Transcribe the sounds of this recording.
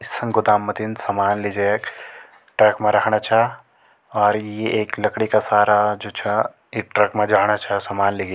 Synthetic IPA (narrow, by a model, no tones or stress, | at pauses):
ɪsɐ̃ŋɡʊd̪aːmːɐt̪insɐmaːnlid͡ʒek | ʈɾɐkmẽɾɐɦɽ̃at͡ʃʰɛ | ɔːɾjeʔeːklɐkɽikasaːɾad͡ʒoːt͡ʃʰɛ | iʈɾɐkmẽd͡ʒaːɽ̃at͡ʃʰɛsɐmaːnliɡ